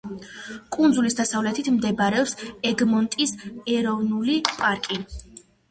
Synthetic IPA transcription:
kʼund̪zulisd̪asavlɛt̪ʰit̪ʰmd̪ɛbɾɛɔpsɛɡmɔnt̪ʼisɛɾɔvnulipʼaɾkʼi

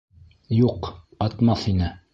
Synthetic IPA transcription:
juq | ɑt̪mɑθinɘ

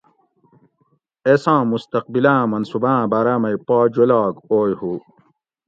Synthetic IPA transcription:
esãːmust̪ɐq̚bilãːmɐnsubãːbaːɾaːmɐipaːd͡ʑolaːkoːjhu

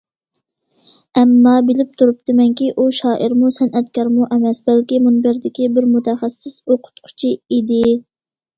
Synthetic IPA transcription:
ɛmːɑbɪlɪp̚t̪ʰuɾup̚t̪ɨmɛŋkʲiʔuʃɑːʔɪɾmusɛnʔɛt̪kʲɑɾmuʔɛmɛsbɛlkʲimunbɪɾd̪ɪkʲibɪɾmut̪ʰɛχæsːɪsoqʰʊ̥t̪qʰʊ̥t͡ʃʰiid̪ɪ

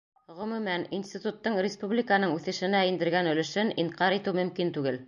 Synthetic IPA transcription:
ʁɵ̆mʉ̆mæninsʲt̪it̪ut̪ːɤɴɾʲɪspublʲɪkənɤɴʉθɘ̆ʃɘ̆næind̪ɘ̆ɾɡænɵ̆lɘ̆ʃɘniɴqɑɾit̪ɘwmɵ̆mkint̪ʉɡɘl

